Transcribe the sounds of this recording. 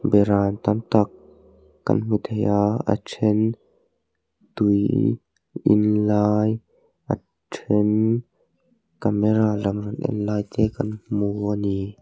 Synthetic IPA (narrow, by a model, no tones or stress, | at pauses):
bɛɾaːnt̪ɐnt̪ɐkː | ɐ̰nm̥ut̪ʰejʔaa̰tʰɛn | t̪uj | ʔɪ̰nlaːj | ʔa̰ | tʰɛn | kamɛɾaːlɐmrɔnʔɛ̰nlaːjt̪ɛːkɐnm̥uɔni